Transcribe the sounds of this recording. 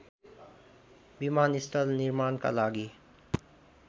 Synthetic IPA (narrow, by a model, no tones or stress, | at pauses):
bimaːnisʈəlnɪɾmaːnka̰laːɡi